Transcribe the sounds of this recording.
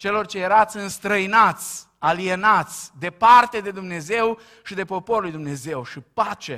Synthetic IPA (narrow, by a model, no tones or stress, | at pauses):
t͡ʃe̞lo̞rt͡ʃejeɾat̪sʲɨnst̪ɾəinat̪sʲ | alienat̪sʲd̪e̞part̪e̞d̪e̞d̪umne̞ze̞w | ʃid̪e̞po̞po̞ɾlujd̪umne̞ze̞wʃipat͡ʃe